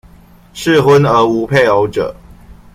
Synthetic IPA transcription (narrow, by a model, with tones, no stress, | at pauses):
ʂɻ̩˥˨xwə˦nə˧˥u˧˥pʰe˥˨ɪo˧˦ʊʈ͡ʂə̰˨˩˦